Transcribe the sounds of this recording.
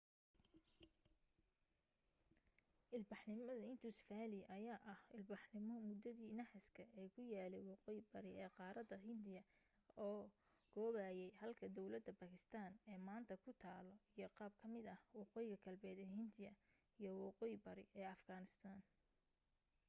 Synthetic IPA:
ʔɪlbɑħnɪmɐðɐɪnt̪ʰʊsfaːlɪʔɐjaːʔɐhɪlbɑħnɪmɔmʊd̪ɐðiːnɐħɪskʰɐʔɛːkʰʊjaːlɛjwɑqɔːjɪbɐɾɪɛːqɑːɾɐd̪ɐɦɪnd̪ɪjɐ | ɔː | ɡ̥ɔːβaːjɛjhɐlkʰɐd̪ɔwlɐd̪ːɐbakʰɪst̪ʰaːnɛːmaːnt̪ʰɐkʰʊt̪ʰaːlɔijɔqɑːb̚kʰɐmɪd̪ɐhwɑqɔːjɪɣɐɡɐlbɛːd̪ɛːhɪnd̪ɪjɐ | ijɞwɑqɔːjɪbɐɾɪ̰ʔɛːɐfɡaːnɪst̪ʰaːn

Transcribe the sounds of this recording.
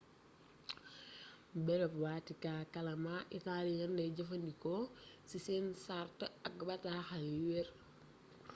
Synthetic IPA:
bɛlɛpwaːtikaːkɐlɐmaʔitalijɐndɐɟɐfɐndikɔ | sisɛːnsartəɐk̚bɐtaxɐlwɛɾ

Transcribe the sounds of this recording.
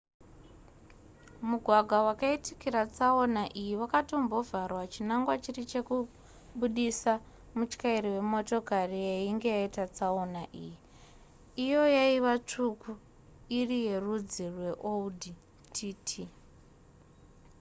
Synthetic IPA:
muɡʱwaɡʱwawakaitikirat͡saonaʔijiwakatombo̞varwat͡ʃinaŋɡwat͡ʃirit͡ʃe̞ku | ɓuɗisa | mut͡ʃkaiɾiwe̞mo̞to̞karijeiŋɡe̞jaitat͡saonaʔiːji | ijo̞jaiʋat͡ʂuku | irije̞rud͡zirwe̞ʔoudi | tʰiːtʰi

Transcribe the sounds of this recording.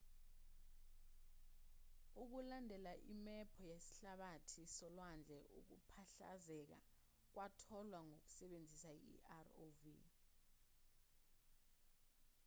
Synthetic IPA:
uk̬ulandʱɛlaʔimɛpʰɔjesi̥ɬaɓatʰisɔlwand͡ɮʱɛʔṵk̬upʰaɬa̰zɛk̬a̰ | k̬wʔatʰɔlwaŋok̬u̥sɛɓend͡zʱisaḭarovḭ

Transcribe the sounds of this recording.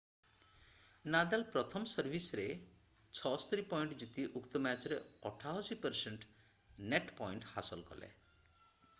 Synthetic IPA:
nad̪alpɾɔt̪ʰɔmsɔɾbʱisɔɾe | t͡ʃʰɔst̪ɔɾipɔjɳʈd͡ʒut̪iʔukt̪ɔmat͡ʃɔɾeɔʈʰaɦɔsipəɾseɳʈ | neʈpɔjɳʈha̰sɔlkɔ̰lḛ

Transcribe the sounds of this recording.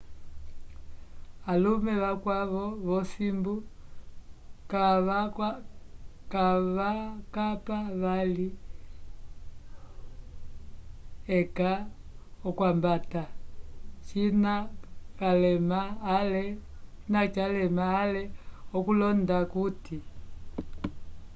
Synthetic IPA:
alumɛβakwaβɔβɔsimbu | ka | kaβakapaβali | ɛka | ɔkwambata | t͡ʃinakalɛmaːlɛ | inat͡ʃalɛmaːlɛɔkulɔndakuti

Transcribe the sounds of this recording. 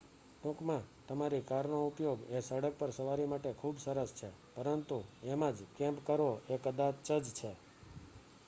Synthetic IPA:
ʈũkmãt̪əmaɾikaɾnoupjoɡesəɽək̚pəɾsəʋaɾimaʈekʰubsəɾəst͡ʃʰe | pəɾənt̪uemãd͡ʒkɛ̃mpkəɾʋoʔekəd̪at͡ʃəd͡ʒt͡ʃʰe

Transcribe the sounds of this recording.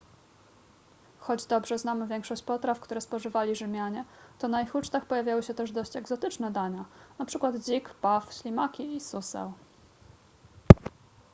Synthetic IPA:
xɔd͡ʑd̪ɔbʐɛznamɘvʲjɛŋkʂɔɕt͡ɕpɔt̪ɾafkt̪uɾɛspɔʐɘvalʲiʐɘmʲjaɲɛt̪ɔnaixut͡ʂt̪axpɔjavʲjawɘɕɛt̪ɛʐd̪ɔɕt͡ɕɛɡzɔt̪ɘt͡ʂnɛd̪aɲanapʂɘkwad̪d͡ʑikpafɕlʲimakʲiisusɛ̰w

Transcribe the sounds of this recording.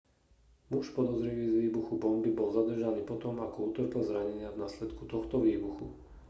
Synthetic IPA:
muʃpɔd̪ɔzɾiʋizʋiːbuxubɔmbibɔlzad̪r̩ʒaniːpɔt̪ɔmakɔut̪r̩kɛl̩zɾaɲɛɲɪavnaslɛt̪kut̪ɔxt̪ɔʋiːbuxu

